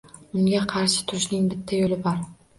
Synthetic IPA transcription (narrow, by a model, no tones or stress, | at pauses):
ʊŋɡʲaqʰɑɾʃɪ̥t̪ʰʊɾɪʃnɪŋbɪt̪ʰːajolɪbɒɾ